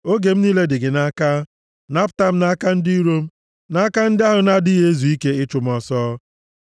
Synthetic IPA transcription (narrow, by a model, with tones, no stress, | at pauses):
o˦ɡe˨m̩˦niː˦le˦dɪ˨ɡɪ˨na˦ka˦ | na˦pʊ˦ta˦m̩˦na˦ka˦n̩˦di˦i˦ɾo˦m̩˦ | na˦a˦ka˦n̩˦dɪ˦a˦ɦʊ˨na˦dɪ˦ɣe˦zu˨i˦ke˦ɪ˦t͡ʃʊ˨m̩˦ɔ˦sɔː˦